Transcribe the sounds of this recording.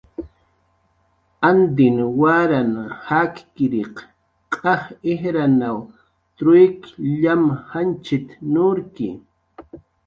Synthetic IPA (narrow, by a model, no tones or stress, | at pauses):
and̪ɪnwaɾanhakkɪɾiq | qʼɑhehɾanaw | t̪ɾʊjkʎamhant͡ʃɪt̪nʊɾkɪ̰